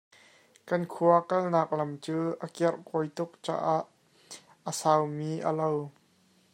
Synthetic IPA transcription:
kɐnkʰuɐkɐlnaːk̚lɐmt͡suːʔəkɛrʔkɔjt̪ʊk̚t͡sa̰ːʔaʔː | əsaːwmiːʔə̰low

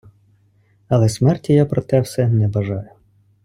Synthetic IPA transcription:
ɐlˠɛsmɛrtʲijapɾɔt̪ɛwsɛnɛbɐʒɑjʊ

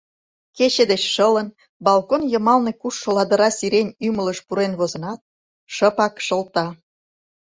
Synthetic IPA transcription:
ket͡ɕed̪et͡ɕʃələn | bɑlkonjəmɑlnekuʃːolɑd̪əɾɑsiɾenʲymələʃpuɾenβozə̆nɑt̪̚ | ʃəpɑkʃə̆lt̪ɑ

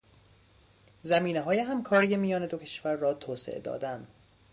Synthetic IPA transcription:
zæmiːneɦɒːjeɦæmkʰɒːɾije̞mijɒːne̞d̪ocʰe̞̥ʃvæɾːɒːt̪ʰoːsḛʔḛd̪ɒ̰ːd̪ænd̪

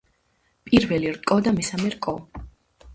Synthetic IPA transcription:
pʼiɾvɛliɾkʼɔd̪amɛsamɛɾkʼɔ

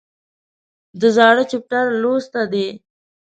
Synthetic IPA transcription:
d̪əzɑːɽət͡ʃep̚ʈaɾlost̪ad̪e

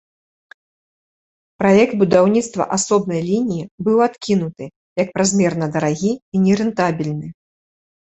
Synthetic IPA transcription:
pɾajɛkt̪̚bud̪awnʲit̪st̪vɐ̰ʔasɔbnɐjlʲinʲijibɨwat̪kʲinut̪ɨ | jɐk̚pɾazʲmʲɛrnɐd̪ɐɾaɣʲiinʲɛɾɛnt̪abʲilʲnɨ

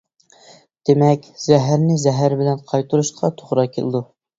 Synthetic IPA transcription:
d̪̥emɛkʲz̥ɛɦæɾnɪzɛɦæɾbɪlɛnqʰɑjt̪ʰuɾuʃqʰɑt̪ʰoʁɾɑkʲʰḛlˠɨ̰d̪u

